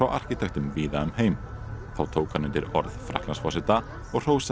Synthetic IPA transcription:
awʔa̰r̥cɪt̪ʰɛxt̪ʏmviːðaœmheːjm | θawt̪ʰoːwkanːɪnt̪ɪɾɔ̰ɾð̥fɾa̰htlansfɔsɪt̪a | ɔɣr̥oːws

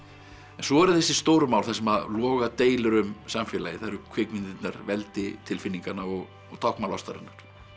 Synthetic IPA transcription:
ɛnsɔɛɾθɛsːɪ̥st̪owɾʏmaːwlθɛs̬ːɛmaðlɔːɣat̪eːjlʏɾʏmsamfɛːlajɪθaɾʏkʰvɪkmɪnt̪ɪt̪naɾvɛlt̪ɪt̪ʰɪlfɪnːiŋkanaɔɣ | ɔɣt̪ʰawhkmawlɔst̪aɾɪ̰nːaɾ̥

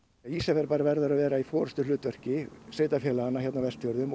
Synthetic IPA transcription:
isafɛɾpaːɾavɛɾðʏɾaðvɛːɾaifɔːɾʏst̪ʏlʏːt̪vœr̥cɪseːt̪afjɛːlaanːaçɛt̪navɛst̪jœɾðʏm

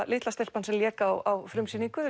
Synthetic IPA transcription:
lɪːt̪last̪ɛlpansɛmljɛːkawawfɾʏmsiːniŋkʏð

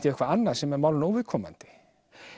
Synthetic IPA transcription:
t̪ɪœhkvaanːḁsɛmɛɾmawlnowvɪðkʰɔːma̰nt̪ɪ̥

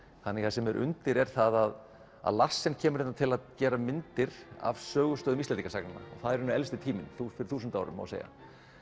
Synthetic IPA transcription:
θanːɛθasɛmɛɾʔʏ̰nt̪ɪɾɛɾ̥θaðað | a̰ðlasːɪncʰɛːmʏɾɛnat̪ʰɪlaðcɛːɾamɪnt̪ɪɾa̰vsœːɣʏst̪œːðʏmist̪lɛnikasaknanːa̰ɔ̰ɣθaðɛɾhʏnːɛlst̪ɪt̪ʰiːmɪnθufɪɾɪ̥ɾθuːsʏnt̪aaːwɾʏ̰ma̰wsḛːja̰

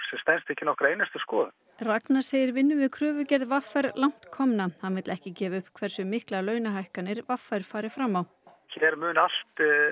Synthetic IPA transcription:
sɛmst̪ɛnst̪ɛhcɪnɔhkɾaejnast̪ʏskɔːðʏ | rat̪naɾ̥seːjɪɾvɪnːʏvɪkʰɾœːvʏcɛðvafajɾlawŋ̥t̪kʰɔmnahanvɪt̪lɛhcɪcɛːvaʏhpkʰvɛɾ̥sʏmɪhklalœːɥnaɦajhkanːɪɾvafːaɾ̥faːɾɪfɾamːaw | çɛɾmʏːnal̥t̪

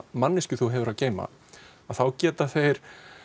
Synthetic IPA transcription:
manːɪscʏθuɦɛvʏɾaðceːjma̰ | aðθawcɛːt̪aθejɾ̥

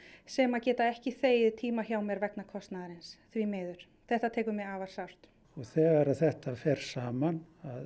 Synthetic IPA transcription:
sɛmaðcɛːt̪aɛhcɪθeːjɪðt̪ʰiːmaçaːwmɛɾvɛknakʰɔst̪naðaɾɪnsθvimeːjðʏɾ̥ | θɛht̪at̪ʰɛːkʏmɛaːvaɾ̥sawr̥t̪ | ɔɣθɛːɣaɾaðθɛht̪afɛɾ̥saːmanað

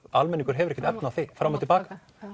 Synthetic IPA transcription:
almɛnːiŋkʏ̥ɾ̥ɦɛvʏɾɛcːɪt̪ɛpnaaθifɾamːat̪ɪlpaːkḁ

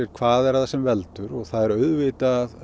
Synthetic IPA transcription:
ɛɾkʰvaːðɛɾaðasɛmvɛlt̪ʏɾɔɣθaðɛɾœɥðvɪːt̪aːð

